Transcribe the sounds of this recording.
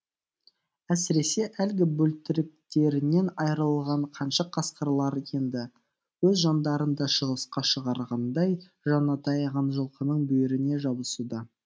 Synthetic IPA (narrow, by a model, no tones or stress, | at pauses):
æsɪɾe̞se̞ʔælɡʲɪbɵlt̪ɪɾɪk̚t̪e̞ɾɪne̞nɑjɾɑlˠʁɑɴqʰɑnʃɑqʰɑsqəɾlˠɑɾe̞nd̪ɪ | wɵzʒɑnd̪ɑɾənd̪ɑʃəʁəsqɑʃəʁɑɾʁɑnd̪ɑj | ʒɑnɑt̪ʰɑjʁɑnʒəlˠqənəɴbɵjɪɾɪne̞ʒɑbəsud̪ɑ